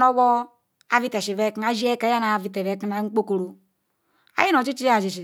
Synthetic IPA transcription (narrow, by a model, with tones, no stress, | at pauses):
nɔ˦wɔ˦ | a˨˦vi˦tɛ˨ʃi˨vɛ˦kna˨˦d͡ʒi˦ɛ˦ka˨˦a˦na˨vi˨tɛ˨vɛ˨˦ki˦na˨˦ŋ͡m̩˦k͡po˦ko˨ɾo˨ | a̰˦ji˦nɔ˨t͡ʃi˦t͡ʃi˦a˦˨d͡ʒi˨ʃ̬i˨